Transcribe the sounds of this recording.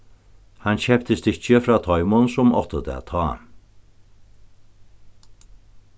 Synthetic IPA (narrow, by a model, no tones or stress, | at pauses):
hanɕɛpt̪əst̪ɪt͡ɕəfɾaːt̪ʰɔjmʊnsʊmɔ̰ht̪əd̪ɛ̰a̰t̪ʰɑː